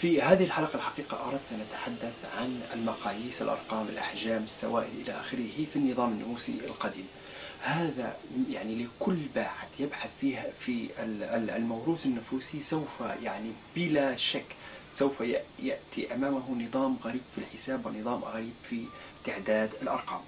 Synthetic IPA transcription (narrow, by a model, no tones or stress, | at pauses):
fihaːðɪhɪlħalɑqɑlħɑqiːqɑʔɑɾˤɑft̪ʔanʔat̪ḁħad̪ːaθʕanɪlmɑqɑːjiːsə̰lʔɑ̰ɾˤqɑːmɪ̰lʔa̰ħʒaːmɪsːa̰waːʔɪlʔɪlaʔaːxɪɾihifinːɨðˤɑːmɪnːʊfuːsḭɪ̰lqɑd̪ḭːm | haːða̰jaʕnilɪkʊlːbaːħaθjɪbħaθfifi | lmawɾˤuːθɪnːʊfuːsisawfajaʕnib̥ɪlaʃakːsawfajaʔjaʔt̪iʔamaːmɦʊnɨðˤɑːmɣaɾiːbfilħɪsaːbwɪnɨðˤɑːmɣaɾiːbfi | t̪ɪʕd̪aːd̪ɪlʔɑ̰ɾˤqɑːm